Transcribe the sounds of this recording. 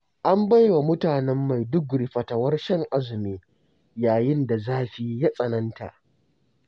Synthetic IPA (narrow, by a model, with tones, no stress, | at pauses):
ʔa˦mba˦jwa˨mʊ˦taː˨nɛ˦mːa˨jdʊ˦ɡɽi˨ɸɐ˨tɐ˨wɐ˦rʃɛ˦ŋʔa˦zɪ˨miː˦ | jaː˨jɪ˦nda˨zaː˦ɸʲiː˨ja˦sʼɐ˨nɐ˦nta̰˨ʔ